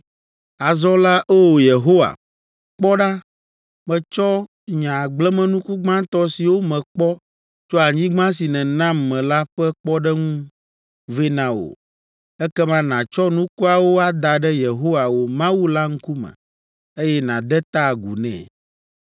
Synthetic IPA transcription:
a˨zɔ˦la˦ʔɛ˦wo˨je˨ɦo˦wa̰˨ | k͡pɔ˦ɖa˦ | mɛ̃˨t͡ʃɔ˦ | ɲã˨ɡ͡blɛ˦mɛ̃˨nũ˦ku˦ɡ͡bã˦t̪ɔ˦si˨wo˦mɛ̃˨k͡pɔ˦ | t͡ʃo˦a˨ɲĩ˦ɡ͡bã˦s̬i˨nɛ̃˨nã˦mːɛ̃˨la˦ɸɛ˦k͡pɔ˦ɖɛ˦ŋũ˦ | ve˦nã˨o̰˨ | ɛ˦kɛ˦mã˦nã˨t͡ʃɔ˦nũ˦ku˦a˨wo˦a˦d̪a˨ɖɛ˦je˨ɦo˦wa˨wo˦mã˦wu˦la˦ŋ̩˦ku˦mɛ̰̃˨ | e˦jɛ˦nã˨d̪ɛ˦t̪a˦˨ɡṵ˨nɛ̰̃˨

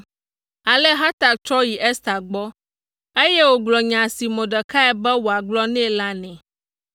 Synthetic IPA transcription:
a˨lɛ˦ɦa˦t̪a˨kt͡ʃɾɔ˦ji˨ʔɛ˦st̪a˨ɡ͡bɔ˦ | e˦jɛ˦wo˦ɡ͡blɔ˨ɲã˨si˨mɔ̃˨ɖɛ˨ka˦ɛ˦bɛ˦wo˨a˨ɡ͡blɔ˦nɛ̃˦la˦nɛ̃˨

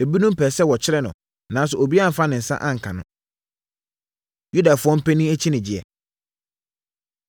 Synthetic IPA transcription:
e˨bi˦nʊ̃˦m̩˦pʰɛ˨sɛ˦wɔ˨t͡ɕʰɪ˦ɾɛ˦nʊ̰̃˨ | nãː˨˦s̬ʊ˨o˨bi˦a˦m̩˨fa˦nɪ̃˨n̩˨sã̰˦ʔã̰˦ŋ̩˨kʰã˨nʊ̰̃˦ | ju˦da˨fʊ˨˦ɔ̃˦m̩˦pɛ˦nĩ˦æ˦t͡ɕʰi˦nɪ̃˨d͡ʑɪ˨ɛ̰˨

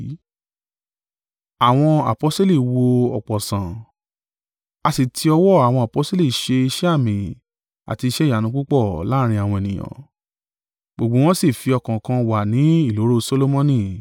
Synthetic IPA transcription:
a˨w̃ɔ̃˧a̰˨pɔ˨˦sto˦li˦˨wo˧ɔ˨k͡pɔ˨sã˨ | a˧si˨tʰi˧ɔ˧wɔ˦˨a˨w̃ɔ̃˧a˨pɔ˨˦sto˦li˦˨ʃe˧i˧ʃɛ˦a˦˨mĩ˨ | a̰˨ti˧i˧ʃɛ˦˨ja˨nũ˨˦k͡pu˦k͡pɔ˦˨la˦ɾ̃ĩ˧˦a˨w̃ɔ̃˧ɛ˨nĩ˨j̃ɔ̰̃˨ | ɡ͡bo˨ɡ͡bo˨˦w̃ɔ̃˦si˦˨fi˧ɔ˧kã˨kã˧wa˨nĩ˨˦i˦˨lo˨˦ɾo˦˨so˦lo˦mɔ̃˦nĩ˦˨

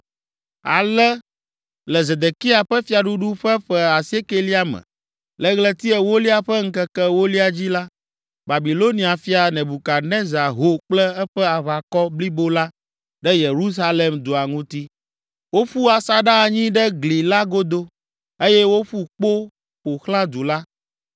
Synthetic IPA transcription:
a̰˨lɛ˦ | lɛ˨ze˨d̪e˨ki˦a˨ɸɛ˦fi˦a˨ɖu˦ɖu˦ɸɛ˦ɸɛ˦a˨se˦ke˦li˦a˦mɛ̰̃˨ | lɛ˦ɣlɛ˦t̪i˦ɛ˨wo˦li˦a˨ɸɛ˦ŋ̩˦kɛ˦kɛ˦wo˦li˦a˨d͡ʑi˦la˦ | ba˨bi˨lo˦nĩ˨˦a˨fi˦a˨nɛ̃˨bu˨ka˨nɛ̃˦za˨ɦo˦k͡plɛ˦ɛ˦ɸɛ˦a˨βa˨kɔ˦bli˦bo˦la˦ | ɖɛ˦je˨ɾu˦s̬a˦le˨md̪o˨a˨ŋũ˦t̪i˦ | wo˦ɸu˦a˨sa˦ɖa˦˨ɲĩ˦ɖɛ˦ɡli˨la˦ɡo˦d̪o˦ | e˦jɛ˦wo˦ɸu˦k͡po˦ | ɸo˨xlã˦d̪u˨la˦

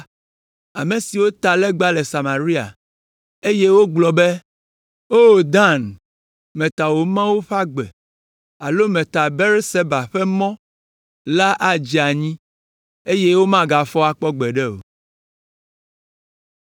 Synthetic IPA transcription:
a̰˨mẽ˨si˨wo˦t̪a˨lɛ˦ɡ͡ba˦lɛ˨sa˨mã˨ɾi˦a̰˨ | e˦je˦wo˦ɡ͡blɔ˨be˦ | o˦˨d̪ã˦n | mẽ˨t̪a˨wo˨mã˦wo˦ɸa˦ɡ͡bɛ̰˨ | a˨lo˦mɛ̃˨t̪a˨be˦ɾse˦ba˨ɸɛ˦mɔ̃˦ | la˦ʔa˦d͡ʑi˨a˨ɲĩ˦ | e˦je˦wo˦mã˦ɡa˨fɔ˦a˨k͡pɔ˦ɡ͡bɛ˨ɖɛ˦o̰˨

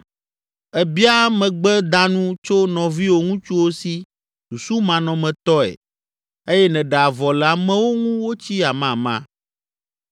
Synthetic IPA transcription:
ɛ˨bi˦a˦mɛ̃˨ɡ͡bɛ˦d̪ã˦nũ˦t͡ʃo˦nɔ̃˨vi˦wo˦ŋũ˦t͡ʃu˦wo˦si˦ | su˨su˦mã˨nɔ̃˨mɛ̃˨t̪ɔ˦ɛ̰˨ | e˦jɛ˦nɛ̃˨ɖɛ˨a˨vɔ˨lɛ˨a˨mɛ̃˦wo˦ŋũ˦wo˦t͡ɕi˦a˨mã˦˨mã̰˦

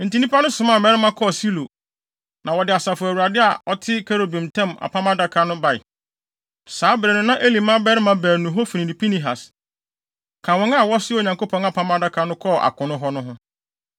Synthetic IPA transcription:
n̩˨ti˨nĩ˦pa˦nʊ̃˦sʊ̃˨mã˨mɛ˦ɾɪ˦mã˦kʰɔ˦˨si˦lo˨ | nã˨wɔ˨dɪ˨a˨sa˨fʊ˨æ˨wu˨a˨dɪ˦a˨ɔ˦tʰɪ˦kʰe˦ɾo˨bĩ˨mtʰɛ̃˦ma̰˨pʰã˦ma˦da˦kʰa˦nʊ̃˦ba˨ɪ̰˨ | saː˨˦bɾɛ˨nʊ̃˦nã˦ʔe˦li˨mã˦bɛ˦ɾɪ˦mã˦bɛ˨nũ˨ɦɔ˦fi˨nĩ˨nĩ˨pʰi˦nĩ˨ɦa̰˨s | kʰã˨wɔ̃˦ŋa˦˨wɔ˦sɪ˦o˨ɲã˨ŋko˦pʰɔ̃˦na˦˨pʰã˦ma˦da˦kʰa˨nʊ̃˦kʰɔ˦˨ʔa̰˨kʰʊ̃˨nʊ̃˦ɦɔ˦nʊ̃˦ɦʊ̃˦

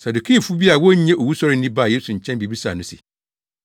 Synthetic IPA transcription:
sa˨du˨kʰi˦˨fu˦bi˦a˨wɔ˦ɲ˦ɲɛ̃˦ʔo˨wu˦sɔ˦ɾɪ˦n˦nĩ˦ba˦˨jeː˦su˨ɲ̩˨t͡ɕʰɛ̃˦nbi˨bi˦sa̰˨nʊ̃˦sḭ˨

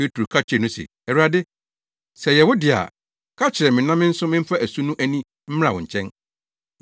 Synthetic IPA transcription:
pe˦tʰɾo˨kʰa˦t͡ɕʰᶣɪ˨ɾɛ˨nʊ̃˦sɛ̰˨ | ɛ˨wu˦ɾa˨dɪ˦ | sɛ˨jɛ˨wʊ˦dɪ˨a̰˨ | kʰa˦t͡ɕʰɪ˨ɾɛ˨mɪ̃˨nã˦mɪ̃˦n̩˦sʊ̃˦mɪ̃˦m̩˦fa˦æ˨su˦nũ˦ʔæ˦nĩ˦ | m̩˦m˦ã˨wʊ̃˨ɲ̩˨t͡ɕʰɛ̃˦n

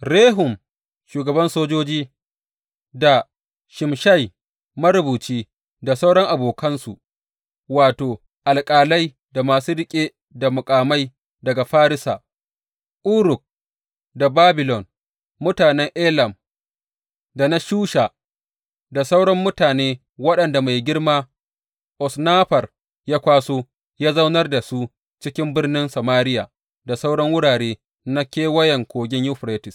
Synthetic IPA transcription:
ɽeː˦ɦʊ˨m | ʃuː˨ɡɐ˨bɐ˦nsoː˦d͡ʒoː˦d͡ʒiː˦ | da˨ | ʃɪ˨mʃa˦˨j | mɐ˦ɾʊ˨buː˨t͡ʃiː˦ | da˨sa˦wɽɔ˦ŋʔa˨boː˨kɐ˦nsṵ˨ʔ | waː˨toː˨ | ʔa˨lkʼaː˨la˦j | da˨maː˨su˦ɾɪ˦kʲʼeː˦ | da˨mʊ˨kʼaː˨ma˦j | dɐ˨ɡa˨ɸaː˦ɾɪ˦sa̰˨ | ʔʊ˦ɾʊ˨k̚ | da˨baː˦bɪ˨lɔ˨n | mʊ˦taː˨nɛ˦ŋʔeː˦lɐ˨m | da˨na˦ʃuː˦ʃa˨ | da˨sa˦wɽɐ˦mːʊ˦taː˨neː˦ | wɐ˦ɗɐ˨nda˨ma˨jɡʲɪ˦rmaː˦ | ʔɔ˨snaː˦ɸɐ˨r | jaː˦kʷaː˦soː˦ | jaː˦za˦wnɐ˦rda˨su˦ | t͡ʃɪ˦kʲɪ˦mbɪ˦rnɪ˦nsɐ˨maː˦ɾɪ˦jaː˨ | da˨sa˦wɽɐ˦ŋwʊ˦ɽaː˨ɽeː˦ | na˦kʲeː˦wɐ˦jɐ˨ŋkʷoː˨ɡʲɪ˦ɲju˦ɸɾeː˦tɪ˨s

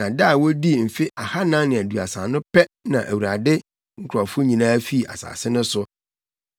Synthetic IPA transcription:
ã˨da˦a˨wo˦di˦˨m̩˨fɪ˦ʔa˨ha˦nã˦nɪ̃˨æ˨du˨a̰˨sã˨nʊ̃˦pʰɛ˦nã˨ʔæ˨wu˨ɾa˨dɪ˦ | ŋ̩˦kʰʊ˨ɔ˨fʊ˦ɲĩ˨nãː˦fi˦˨ʔa̰˨sa̰ː˨sɪ˦nʊ̃˦sʊ˦

